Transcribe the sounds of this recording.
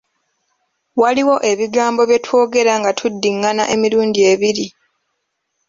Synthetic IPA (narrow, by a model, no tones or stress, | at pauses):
waliwo̞ʔe̞βiɡaːmbo̞βje̞tʰwo̞ːɡe̞ɾaŋɡatʰudːiŋːanaʔe̞miɾuːndie̞βiɾi